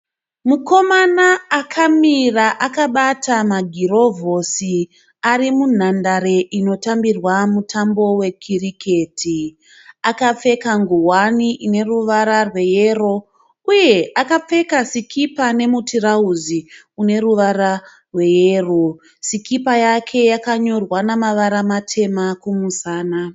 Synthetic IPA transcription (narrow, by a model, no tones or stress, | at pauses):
muko̞manaːkʰamiraʔakaɓatʰamaɡʱiɾo̞vo̞si | aɾimun̤andaɾe̞ʔino̞tambirwamutʰambo̞we̞kʰirikʰe̞ːtʰi | akap͡fe̞kaŋɡuwaniʔine̞ruʋaɾarwe̞je̞ro̞ | uje̞akap͡fe̞kasikʰipane̞mutirauzi | une̞ruʋara | rwe̞jeːro | sikipajakʰe̞jakaɲo̞rwanamaʋaɾamatʰe̞makumusaːna